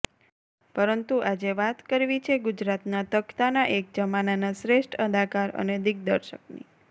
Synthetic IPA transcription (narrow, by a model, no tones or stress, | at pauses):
pəɾənt̪uʔad͡ʒeʋat̪kəɾʋit͡ʃʰeɡud͡ʒɾat̪nat̪əkt̪anaʔek̚d͡ʒəmananasɾeʃʈʰəd̪ʱakaɾə̰ned̪ɪɡ̚d̪əɾʃəknḭ